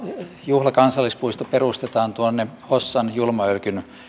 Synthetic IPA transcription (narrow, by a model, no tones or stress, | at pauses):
juhlɑkɑnsɑlːispuist̪operust̪et̪ɑːnt̪uonːe | osːɑnjulmɑølkyn